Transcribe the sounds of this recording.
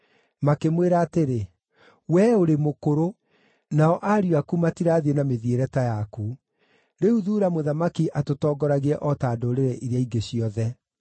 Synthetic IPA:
makemweɾaːteɾe | wɛoɾemokoɾo | naɔʔaɾiwakumatiɾaːðienameðieɾɛtajaku | ɾeuðuːɾamoðamakiʔatotɔːɡɔɾaɣeɛʔɔtaːdoɾeɾɛʔiɾeaiɡeɕiɔðɛ

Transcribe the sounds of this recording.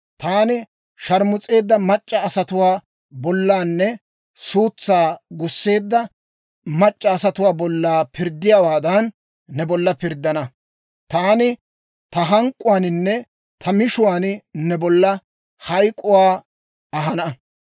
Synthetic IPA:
t̪aːnɪ | ʃɐɾmʊt͡sʼe̞ːd̪ːɐmɐt͡ʃʼːɐːsɐt̪ʊwaː | bɔlːaːnːɛ | suːt͡sːaːɡʊsːe̞ːd̪ːɐ | mɐt͡ʃʼːɐːsɐt̪ʊwaːbɔlːaːpɪɾd̪ːɪjaːwaːd̪ɐnː | ɛbɔlːɐpɪɾd̪ːɐnɐ | t̪aːnɪ | t̪ɐɦɐŋkʼːʊwaːnɪnːɛ | t̪ʰɐmɪʃʊwaːnnɛbɔlːɐ | hɐjkʼːʊwaː | ɐɦɐnɐ

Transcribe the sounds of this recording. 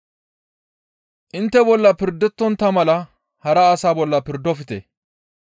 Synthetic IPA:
ʔɪnt̪ːɛbɔlːɐpɪɾd̪ɛt̪ːɔnt̪ɐmɐlɐ | hɐɾɐːsaːbɔlːɐpɪɾd̪ɔfɪt̪ɛ̰

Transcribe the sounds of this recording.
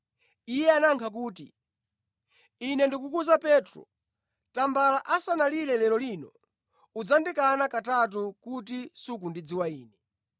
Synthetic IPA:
ijɛanaŋkʰak̬uːtḭ | nɛndikukuzapɛːtɾɔ̰ | tambalaʔasanalilɛlɛlɔlinɔ̰ | ud͡zandikanakatat̬ukut̬isuk̬undid͡ziwaiːnɛ

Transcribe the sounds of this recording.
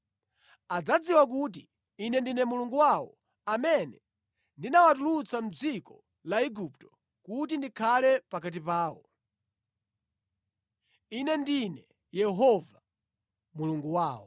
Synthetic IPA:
ad͡zad͡ziwak̬uːt̬i | inɛndinɛmuluŋɡuwawɔ̰ | amɛnɛ | ndinawat̬ulut͡sam̩d͡zikɔ | laiɡuptɔ̥ | kut̬indikʰalɛpakat̬ipaːwɔ̰ | inɛndinɛ | jɛɦɔva | muluŋɡuwaːwɔ̰

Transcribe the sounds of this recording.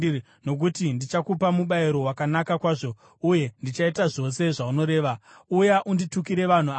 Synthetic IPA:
no̞k̬utindit͡ʃakupamuɓaiɾo̞wakanakakwaːʐo̞ | uje̞ndit͡ʃaitaʐo̞se̞ʐauno̞ɾe̞ːʋa | ujaʔundituk̬iɾe̞ʋan̤u

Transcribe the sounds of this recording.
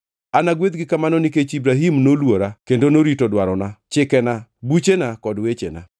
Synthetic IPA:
anaɡwed̪̚ɡɪkamanɔniket͡ʃibɾaɦimnolwoɾakendonoɾitodwaɾɔnat͡ʃɪkɛnabut͡ʃenakɔdwet͡ʃḛna̰

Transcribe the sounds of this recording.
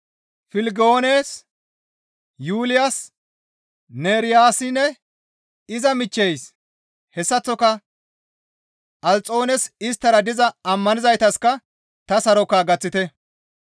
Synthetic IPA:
fɪlɪɡo̞ːneːs | juːlɪjas | neːɾɪjaːsɪnːɛ | ɪzɐmɪt͡ʃːejs | hɛsːɐt͡sːɔkɐ | ɐlt͡sʼo̞ːnɛsɪst̪ːɐɾɐd̪ɪzɐɐmːɐnɪzɐjt̪ɐskɐ | t̪ɐsɐɾɔkaːɡɐt͡sːɪt̪ɛ

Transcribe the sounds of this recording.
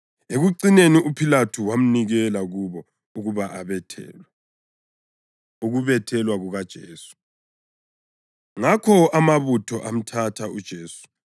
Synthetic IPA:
eɣuǀineniupʰilatʰuwam̩niɣɛlaɣuβɔ | uɣuβaʔaβɛtʰɛ̰ːlwa | uɣuβɛtʰɛlwaɣuɣad̥ʒ̥ʱeːsu̥ | ŋakʰɔamaβutʰɔʔam̩tʰatʰaud̥ʒ̥ʱeːsu̥

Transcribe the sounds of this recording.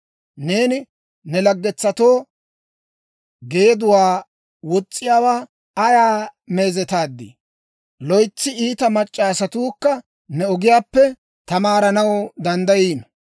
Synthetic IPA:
ne̞ːnɪ | nɛlɐɡːɛt͡sːɐt̪o̞ː | ɡe̞ːd̪ʊwaː | wɔt͡sʼːɪjaːwaː | ɐjaːme̞ːzɛt̪aːd̪ːḭ | lɔjt͡sːɪiːt̪ɐmɐt͡ʃʼːaːsɐt̪uːkːɐ | nɛɔɡɪjaːpːɛ | t̪ɐmaːɾɐnɐwd̪ɐnd̪ɐjiːn

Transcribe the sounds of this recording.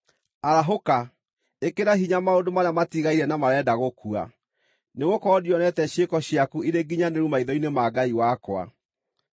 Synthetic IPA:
aɾaɦoka | ekeɾaɦiɲamaodomaɾeamatiɣaiɾɛnamaɾɛdaɣokua̰ | neɣokɔːdiɔnɛtɛɕekɔɕjakuiɾeɡiɲaneɾumaiðɔinemaɡaiwakwa̰

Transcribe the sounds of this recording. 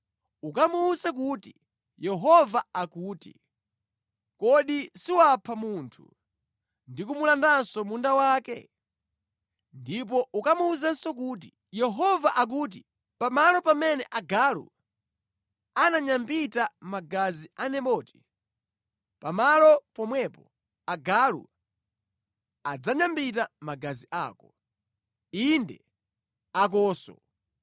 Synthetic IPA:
ukamuːsak̬uti | jɛɦɔvaakuːtḭ | kɔɗisiwapʰamuntʰṵ | ndikumulandansɔmundawaːkɛ̰ | ndip̬ɔʔukamuːzansɔkuːt̬i | jɛɦɔvaʔak̬ut̬i | pamalɔpamɛnɛʔaɡalṵ | anaɲambitamaɡazianɛɓɔːti̥ | pamalɔpɔmwɛpɔ | aɡalṵ | ad͡zaɲambit̬amaɡaziʔa̰ːkɔ | indɛ | ak̬ɔːsɔ̰

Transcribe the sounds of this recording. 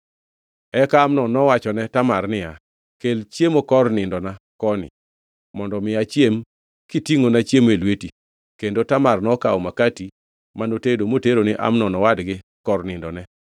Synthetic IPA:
ɛkaːmnɔnɔwat͡ʃɔnɛtamarnɪja | kelt͡ʃjemokɔrnɪndɔna | kɔnɪ̰ | mɔndɔmɪat͡ʃjem | kitiŋonat͡ʃjemelweti | kendotamarnɔkaɔmakati | manotedomoteɾonɪʔa̰mnɔnɔwadɡɪkɔrnɪndɔnɛ

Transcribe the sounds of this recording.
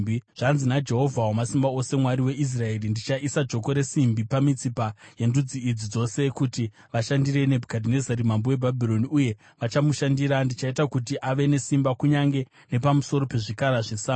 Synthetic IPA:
ʐ̥anzinad͡ʒe̞ɦo̞vʱawamasimbao̞se̞mwaɾiwe̞ʔis̬rae̞rindit͡ʃaʔisad͡ʒo̞ko̞ɾe̞simbipamit͡sipaje̞ndud͡ziid͡zid͡zo̞se̞kuti | ʋaʃandiɾe̞ne̞bʱukadʱinezaɾimambowe̞bʱabʱiɾo̞niuje̞ | ʋat͡ʃamuʃandiɾandit͡ʃaitakutiʔaʋe̞ne̞simbakuɲaŋɡe̞ | ne̞pamuso̞ɾo̞pe̞ʐikaɾaʐesaː

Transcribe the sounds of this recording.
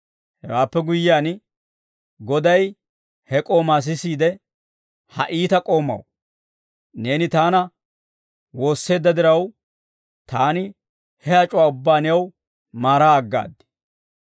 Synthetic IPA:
hɛwaːpːɛɡʊjːaːn | ɡɔd̪ɐj | hɛkʼo̞ːmaːs̬ɪsiːd̪ɛ | hɐ̰ʔiːt̪ɐkʼo̞ːmɐ̰w | ne̞ːnɪt̪aːnɐ | wo̞ːsːe̞ːd̪ːɐd̪ɪɾɐw | t̪aːnɪ | hɛɐt͡ʃʼʊwaːʊbːaːnɪjɐw | maːɾaːɡːa̰ːd̪ːɪ̥

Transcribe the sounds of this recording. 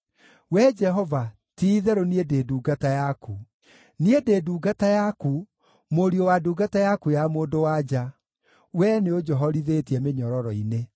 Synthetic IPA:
wɛd͡ʒɛɦɔva | tiːðɛɾoniedeːduːɡatajaku | niedeːduːɡatajaku | moɾiowaduːɡatajakujamoːndowad͡ʒa | wɛneod͡ʒɔɦɔɾiðetiɛmeɲɔɾɔɾɔine

